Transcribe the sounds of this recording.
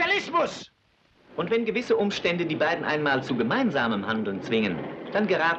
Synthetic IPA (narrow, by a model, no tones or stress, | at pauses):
alɪsmʊs | ʔʊntv̥ɛnɡəvɪsəʔʊmʃtɛndədiːbaɪdn̩ʔa̰ɪnmaːlt͡suɡəmaɪnzaːməmhandl̩nt͡sv̥ɪŋənd̥anɡəʁaːt